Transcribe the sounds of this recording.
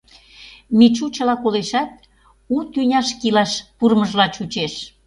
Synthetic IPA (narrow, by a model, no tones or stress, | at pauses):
mit͡ɕut͡ɕə̆lɑkoleʃɑt̪̚ | ut̪ynʲɑʃkilɑʃpurməʒlɑt͡ɕut͡ɕeʃ